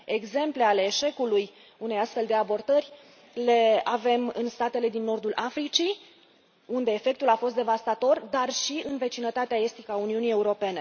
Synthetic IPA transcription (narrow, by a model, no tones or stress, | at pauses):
e̞ɡze̞mple̞ale̞ːʃe̞kuluj | une̞jast̪fe̞ld̪e̞abo̞rd̪əɾʲ | le̞ave̞mɨnst̪at̪e̞le̞d̪inːo̞rd̪ulʔafɾit͡ʃij | und̪e̞ːfe̞k̚t̪ulafo̞st̪d̪e̞vast̪at̪o̞rd̪arʃiʔɨnve̞t͡ʃinət̪at̪eae̞st̪ikəauniunije̞uɾo̞pe̞ne̞